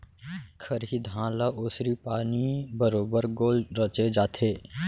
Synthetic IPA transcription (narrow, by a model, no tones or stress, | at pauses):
kʰəɾɦid̪ʱãːlaʔʊːsɾipaːnibəɾoːbəɾɡoːlɾət͡ʃed͡ʒaːt̪ʰeː